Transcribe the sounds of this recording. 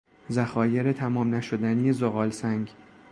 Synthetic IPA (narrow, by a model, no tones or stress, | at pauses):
zæxɒːje̞ɾet̪ʰæmɒːmnæʃod̪ænijezoɣɒːlsæŋɡ